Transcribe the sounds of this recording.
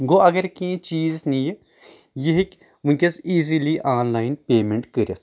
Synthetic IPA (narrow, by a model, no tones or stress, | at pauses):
ɡoɐɡɐɾkĩt͡ʃiːznije | jeɦik | mũnkʲesiːziliʔaːnlaːɪnpeːmẽɳʈkəɾe